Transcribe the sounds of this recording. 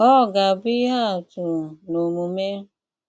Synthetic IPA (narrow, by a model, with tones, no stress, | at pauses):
ɔ˦˨ɡa˨bi˦ɦa˦˨tu˨no˨mu˨me˦